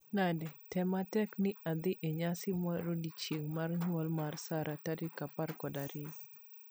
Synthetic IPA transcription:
nadɛtɛmatɛknɪad̪ɪʔeɲasɪmaɾodit͡ʃjeŋmarɲwɔlmarsaɾʔatadɪkaparkɔdaɾɪ

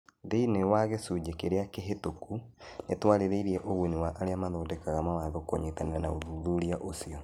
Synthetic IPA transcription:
deinewaɣesud͡ʑekeɾeakeɦetokunetwaɾeɾeiɾiɛʔoɣwuniwaʔaɾeamaðɔːdɛkaɣamawaðokoɲetaneɾanaoðuðuɾiaʔosiɔ

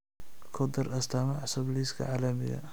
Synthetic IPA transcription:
kʰɔd̪ɐrɐst̪ʰamɐʕsʊbliːskʰɐ̰ʕaːlɐmɪɣɐ̰

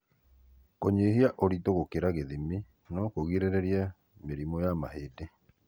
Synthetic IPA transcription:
koɲehiaʔoɾitoɣokeɾaɣeðimi | nɔkoɣiɾeɾeɾia | meɾimɔjamahede

